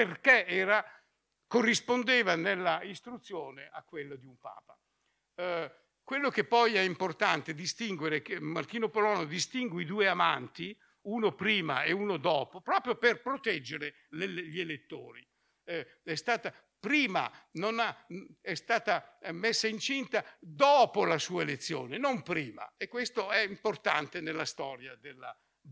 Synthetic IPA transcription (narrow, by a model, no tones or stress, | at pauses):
perkeɛːɾa | korːispond̪eːvanelːaist̪ɾut̪sːjoːneakːwelːod̪iumpa̰ːpa | kwelːokepːɔjɛimport̪ant̪ed̪ist̪iŋɡweɾekmart̪iːnopolɔːnod̪ist̪iŋɡweid̪uːeamant̪i | uːnopɾiːma̰euːnod̪ɔːpopɾɔːpɾjoperpɾot̪ɛd͡ʒːeɾe | lelʎielet̪ːo̰ːɾi | ɛst̪aːt̪a | pɾiːma̰nonaɛst̪aːt̪amesːaint͡ʃint̪ad̪ɔːpolasuːaelet̪sːjo̰ːnenompɾiːma̰ekːwest̪oɛimport̪a̰nt̪enelːast̪ɔːɾjad̪elːa